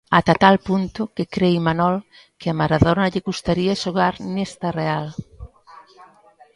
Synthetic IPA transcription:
at̪at̪alpunt̪ʊkekɾejmanɔl | kɪamaɾaðonɐʎɪɣust̪aɾiaʃoɣaɾnest̪ɐreal

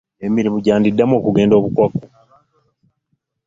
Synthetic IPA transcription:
emiɾimuɟaːndidːamo̞ːkuɡe̞ːndo̞βukwaku

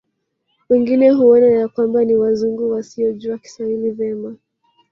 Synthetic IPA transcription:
wɛŋɡinɛɦuɔnajakwambaniwazuŋɡuwasiɔʄuaki̥sailivjɛma

